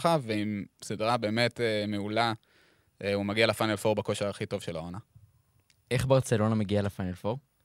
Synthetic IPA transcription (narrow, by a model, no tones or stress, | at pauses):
χaveimsidʁabe̞ːme̞temeula | eumaɡialefajnelfoʁbako̞ʃeʁaχito̞vʃelaona | ʔe̞χbaʁt͡selo̞nameɡialafanelfoʁ